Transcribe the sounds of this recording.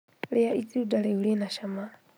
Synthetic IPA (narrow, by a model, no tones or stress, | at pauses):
lɛait͡siudalɛulinaʃama